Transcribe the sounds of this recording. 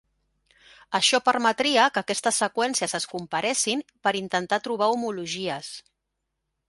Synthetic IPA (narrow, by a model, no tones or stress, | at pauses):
əʃɔpəɾmət̪ɾiəkəːkɛst̪əsːəkwɛnsiəzəskumpəɾɛsimpəɾint̪ənt̪at̪ɾuβ̞aumuluʒiəs